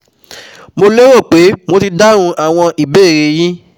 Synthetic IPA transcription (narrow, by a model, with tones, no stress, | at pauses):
mo˧le˦ɾo˦˨k͡pe˨˦mo˧ti˧da˦ɾ̃ũ˧a˦˨w̃ɔ̃˧ʔi˨be˦˨ɾe˧˦jĩ˦